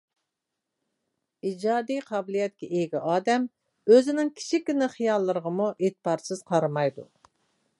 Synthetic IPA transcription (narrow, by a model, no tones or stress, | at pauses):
id͡ʒɑːd̪ijqʰɑbɪlˠijɛt̪̚kʲɛʔeɡʲiʔɑːd̪ɛm | øzɪnɪŋkʲʰi̥ʃʰikʲːinɪχijɑlˠːəɾəʁəmuʔet̪pɑɾsɨz̥qʰɑɾɑmɑjd̪ṵ